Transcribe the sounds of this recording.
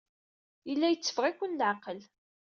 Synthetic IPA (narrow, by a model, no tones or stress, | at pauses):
jəlːæjət͡sːə̥fʁikʷːənlʕaqəl